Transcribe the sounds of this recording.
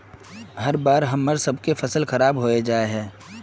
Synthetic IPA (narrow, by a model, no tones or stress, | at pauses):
ɦɐɾbaːɾɦɐmːəɾsɐbkefɐsəlxɐɾaːbɦoːed͡ʒaːeɦɛ̃ː